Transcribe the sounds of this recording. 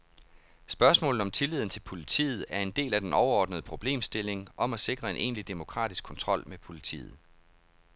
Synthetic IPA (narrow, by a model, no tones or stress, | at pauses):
sb̥ɶɐsmɔ̰̽ln̩ˠɒ̽mt͡sʰe̝lið̰ˠn̩t͡sʰe̝lpʰo̝lit͡sʰḭːð̞̩ˠæɐe̝nd̥e̝̰ːlæd̥enɒʊɐɒ̰ːd̥nəðˠəpʰʁo̝b̥le̝̰ːmsd̥e̝le̝ŋʔɒ̽mæse̝ɡ̥ʁɐe̝nʔe̝̰ːnlid̥e̝mo̝kʰʁɑ̰̈ːd̥isɡ̥kʰɒ̽nt͡sʰʁɒ̽l̰mepʰo̝lit͡sʰḭːð̩ˠ